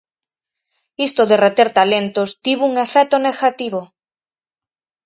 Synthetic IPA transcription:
ist̪oðeret̪eɾt̪alent̪ost̪iβuŋefɛt̪oneɣat̪iβo

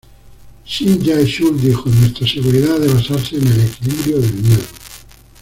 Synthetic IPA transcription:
ʃid͡ʒajʃuld̪ixonwest̪ɾaseɣuɾiðaðeβ̞asaɾsenelekiliβɾjoðelmjeðo

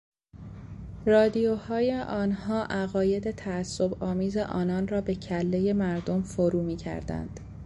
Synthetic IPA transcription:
rɒːd̪ijohɒːje̞ʔɒːnhɒːʔæɣɒːje̞d̪e̞t̪ʰæːsːo̞bɒːmiːze̞ʔɒːnɒːnrɒːbe̞cʰælːe̞je̞mæɾd̪o̞mfoɾuːmiːcʰæ̰ɾd̪æ̰nd̪̥

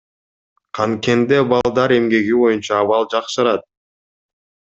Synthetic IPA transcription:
qʰɑŋke̞nd̪ebɑlˠd̪ɑɾe̞mɡe̞ɡiβo̞junt͡ʃɑːβɑlˠd͡ʒɑqʃɯɾɑt̪̚

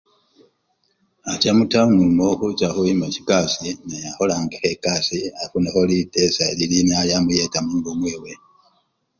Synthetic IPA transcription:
at͡ʃamutamulumoxut͡ʃaxuimaci̥kasineaholaŋɡehekasiafunaholitesaililinajamujetamuːŋɡumweːwe

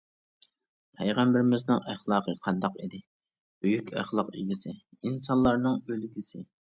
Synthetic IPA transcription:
pʰɛjʁæmbɪɾɪmɪznɨŋæχlˠɑːqʰəqʰɑnd̪ɑqid̪ɪ | b̥yjykʲæ̰χlˠəqḭɡʲisɪinsɑnlˠɑɾnɨŋølɡʲisɪ

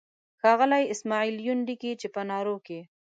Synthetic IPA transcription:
xɑɣəlajɪsmɑiljunɖikit͡ʃepənɑɾoke

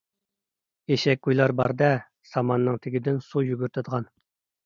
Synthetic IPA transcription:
eʃɛk̚ʲɡujlˠɑɾbɑ̰ɾd̪ɛ | sɑmɑnːɨŋt̪ʰɪɡʲid̪ɪnsujyɡʲyɾt̪ʰɨd̪əʁɑn

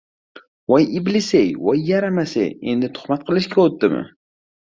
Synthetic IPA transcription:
wajɪblɪsejwajːaɾamasḛje̞̰nd̪ɪt̪ʰʊ̥χmat̪̚qʰɨlˠɪʃkʲʰaot̪̚d̪ɪmɪ̰

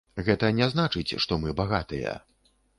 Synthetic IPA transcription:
ɣɛt̪ɐnʲɛznat͡ʂɨt͡sʲʂt̪ɔmɨbaɣat̪ɨjɐ̰

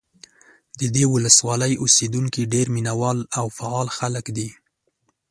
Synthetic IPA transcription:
d̪əd̪ewʊləswɑləjosed̪uŋkiɖeɾminawɑlawfaɑlxaləkd̪i

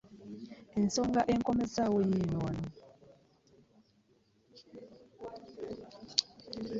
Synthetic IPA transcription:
ensɔŋɡaʔeŋkɔmɛsawojinɔnɔ

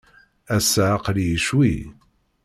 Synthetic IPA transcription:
æsaʕaqlijəʃwi

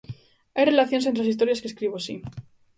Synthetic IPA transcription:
ajre̞laθjonsent̪ɾesist̪o̞ɾjaskeskɾiβoasi

